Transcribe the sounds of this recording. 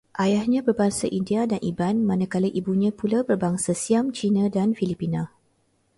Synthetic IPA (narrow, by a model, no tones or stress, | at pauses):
ʔajahɲãbərbaŋsa̰ʔindiadanʔibanmãnãkaləʔibuɲãpulabərbaŋsasiamt͡ʃinãdanfilipinã